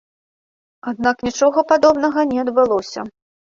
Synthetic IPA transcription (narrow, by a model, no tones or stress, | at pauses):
ad̪̚naknʲit͡ʂɔɣɐpad̪ɔbnɐɣɐnʲɛɐd̪bɨlˠɔsʲɐ̰